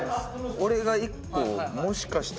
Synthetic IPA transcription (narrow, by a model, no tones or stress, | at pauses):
o̞ɾe̞ɡaikːoːmo̞ɕi̥kaɕi̥t̪